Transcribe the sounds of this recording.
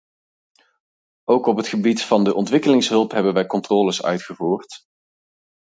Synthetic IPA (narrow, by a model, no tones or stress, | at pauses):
owkɔpɦətχəbitfɑndəʔɔntʋɪkəlɪŋsɦɵlˠpɦɛbənʋɛjkɔntrɔːləsœ̰ɥtχəvuːrt